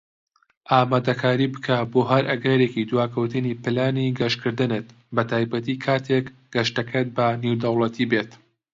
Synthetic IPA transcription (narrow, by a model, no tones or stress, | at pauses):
ʔaːmaːd̪ɐkʰaːɾibɨkʰaboːɦɐɾʔɐɡɐɾeːkid̪waːkʰɐwt̪ɨnipɨlaːniɡɐʃkʰɨɾd̪ɨnɨt̪ | bɐt̪ʰaːjbɐt̪iːkʰaːt̪ʰek | ɡ̥ɐʃtɐkʰet̪̚bɐnewd̪ɐwlˠɐt̪ʰibet̪